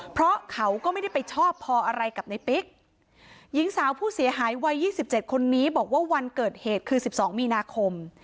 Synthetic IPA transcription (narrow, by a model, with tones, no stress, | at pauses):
pʰɾɔ˦˥kʰa˦˥wkɔː˥˩ma˥˩jda˥˩jpa˧jt͡ɕʰɔː˥˩pʰːɔː˧ʔa˧ɾa˧jka˨˩p̚na˧jpi˦˥k̚ | ji˨˦˥ŋsaː˩˦wpʰuː˥˩si˨˩˦ɐɦaː˩˦jwa˧jːiː˥˩si˨˩p̚t͡ɕe˨˩t̪̚kʰo˧nːiː˦˥bɔː˨˩k̚waː˥˩wa˧nkɤː˨˩t̪̚heː˨˩t̪̚kʰɯː˧si˨˩p̚sɔː˩˦ŋmiː˧naː˧kʰo˧m